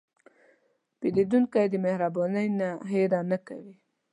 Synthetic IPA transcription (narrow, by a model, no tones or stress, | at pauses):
ped̪ed̪unkajd̪əmehɾabɑnajnaɦeɾɑnakawi